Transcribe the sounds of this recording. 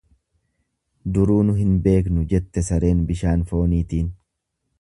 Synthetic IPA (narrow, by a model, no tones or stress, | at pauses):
d̪ʊɾuːnʊɦɪnbe̞ːk̬nʊd͡ʒɛt̪ːɛsɐɾe̞ːnbɪʃaːnfo̞ːniːt̪iːn